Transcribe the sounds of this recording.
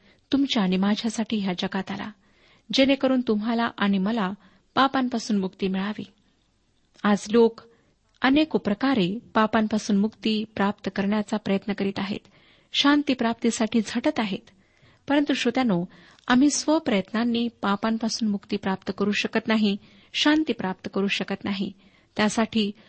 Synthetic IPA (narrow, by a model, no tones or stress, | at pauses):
t̪umt͡ɕjaːɽ̃imad͡ʑʱjasaʈʰiːɦjad͡ʑəɡat̪ala̰ | d͡ʑenekəɾuːnt̪um̤ɦalaʔaɽ̃iməla | papampasuːnmukt̪iːmiɭaʋḭː | ad͡zlok | ənekupɾəkaɾepapampasuːnmukt̪iːpɾap̚t̪əkəɾɳjat͡sapɾəjət̪nəkəɾiːt̪aɦḛt̪ | ɕant̪iːpɾap̚t̪isaʈʰiːd͡zʱəʈət̪aɦet̪ | pəɾənt̪uɕot̪jano | am̤iːsʋəpɾəjət̪nanːiːpapampasuːnmukt̪iːpɾap̚t̪əkəɾuːɕəkət̪naɦi | ɕant̪iːpɾap̚t̪əkəɾuːɕəkət̪naɦi | t̪ːjasaʈʰiː